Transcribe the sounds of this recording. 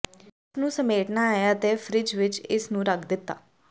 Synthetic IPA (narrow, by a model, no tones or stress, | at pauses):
ɪsnũːsəmeːʈnaːjaət̪eːfʰɾɪd͡ʒʋɪt͡ʃɪsnũːɾəkʰd̪ɪt̪ːa̰ː